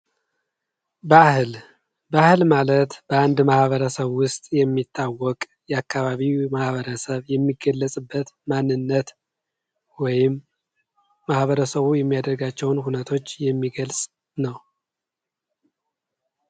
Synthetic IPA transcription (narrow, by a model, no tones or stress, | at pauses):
bahl | bəahɨlmalət̪b̥əand̪mahβəɾəsəβwʊst̪ʼjɛmːit̪ːawːɔkʼ | jɛakːaβaβimahβəɾəsəβjɛmːiɡəlːəsʼɨbːət̪manːɨnːət̪ | wɔjɪmː | ahβəɾəsəβujɛmːijad̪əɾɡat͡ʃːɛwnhunət̪ʰo̞t͡ʃːjɛmːiɡəlsʼ | nəw